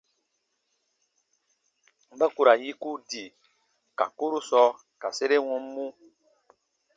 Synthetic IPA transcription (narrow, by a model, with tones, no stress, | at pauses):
ba˦ku˨ɾa˨ji˦ku˦di˨ | ka̰˨ku˦ɾu˦sɔ˧˦ | ka˨se˦ɾe˦wɔ̃˦m˦mũ˦